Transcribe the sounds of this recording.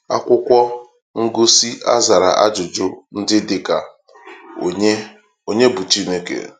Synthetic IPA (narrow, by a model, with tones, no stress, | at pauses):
a˦kʷʊ˦kʷɔ˦ | ŋ̩˦ɡo˦si˦ʔa̰˦za˨ɾa̰˨ʔa̰˦d͡ʒʊ˨d͡ʒʊ˦n̩˦dɪ˦dɪ˨ka˨˦ | o˨ɲe˦bu˨t͡ʃi˦ne˦kḛ˨